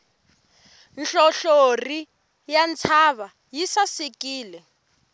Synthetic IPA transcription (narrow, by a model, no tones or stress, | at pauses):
nɬɔɬori | jant͡sʰaβa | jisasikiːlɛ